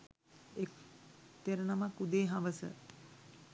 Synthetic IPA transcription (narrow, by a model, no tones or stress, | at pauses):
ekt̪eɾənamakud̪eːɦaʋəsə̰